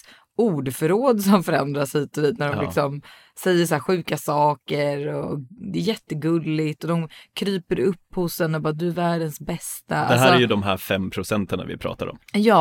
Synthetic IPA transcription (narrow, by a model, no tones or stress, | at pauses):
uːɖfœɾoːd̪sɔmfœɾɛnd̪ɾasliːt̪ɔviːt̪næɖɔmlɪksɔm | sɛjːəʂaæːɧʉ̟ːkasɑːkəɾɔd̪ɛːjɛt̪ːəɡɵlːɪt̪ɔd̪ɔmkʰɾyːpəɾɵpːhʊsɛnːɔbɑːɾad̪ɵæɾvæːɖənsbɛst̪aa̰d̪ɛæːæjɵd̪ɔmɦæɾfɛmːpʰɾʊsɛnt̪əna̰vɪ̰pʰɾɑ̰ːt̪a̰ɾɔ̰mjɑː